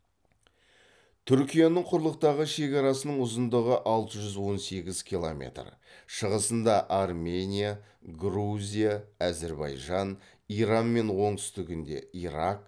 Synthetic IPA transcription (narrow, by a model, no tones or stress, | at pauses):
t̪ʰʏɾkʲijanəɴqʰʊɾlˠəq̚t̪ɑʁəʃe̞kɑɾɑsənəɴʊzənd̪əʁəʔɑlˠt̪əʒʏzwo̞nse̞ɡʲɪzkʲʰilˠomʲe̞̰t̪rʃəʁəsənd̪ɑʔɑrmʲe̞nʲija | ɡruzʲijaːze̞ɾbɑ̰jʒɑn | iɾɑnme̞nwo̞ɴt̪ʏ̥st̪ɪɡʲɪnd̪e̞̰iɾak̚